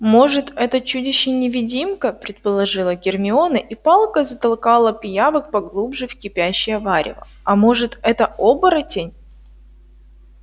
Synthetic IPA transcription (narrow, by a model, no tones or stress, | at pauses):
mo̞ʐɨt̪ɛt̪ət͡ɕudʲɪɕːɪnʲɪvʲɪdʲimkəpɾʲɪt̪̚pəlˠɐʐɨlˠəɡʲɪrmʲɪo̞nɨʔipɑlˠkəzət̪ɐlˠkɑlˠəpʲjavɨkpɐɡlˠubʐɨfkʲɪpʲæɕːɪjəvaɾʲɪ̰və̰ | ɐmo̞ʐɨt̪ɛt̪əobəɾətʲenʲ